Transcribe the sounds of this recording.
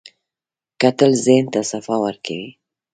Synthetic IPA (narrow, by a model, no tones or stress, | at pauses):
kat̪əlzent̪asafɑwəɾkʰawi